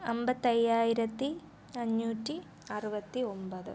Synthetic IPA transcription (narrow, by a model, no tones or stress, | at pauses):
ɐmbɐt̪ːɐjːaːjiɾɐt̪ːi | ɐɲːuːtːi | ɐruʋɐt̪ːiombɐðɨ̰